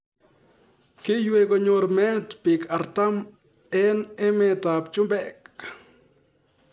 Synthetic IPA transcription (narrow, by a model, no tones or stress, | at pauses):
kijweɡoɲoɾmet̪pikʰaɾt̪am | enemet̪apt͡ʃumbeʔk